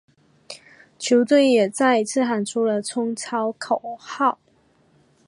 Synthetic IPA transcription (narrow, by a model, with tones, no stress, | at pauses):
t͡ɕʰjo˧˥ʊt̪we˥˩ɪjɛ˨˩t͡sa˥˩ɪi˧t͡sʰɹ̩˥˩xa˨˩nʈ͡ʂʰu˥lə˨t͡sʰʊ˥ŋt͡sʰɑ˥ʊkʰo˨˩ʊxɑ˥˩ʊ